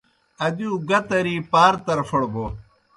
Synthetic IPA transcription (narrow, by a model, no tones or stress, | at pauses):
ɐd̪iuɡɐt̪ɐɾiːpaːɾt̪ɐɾfɐɽbo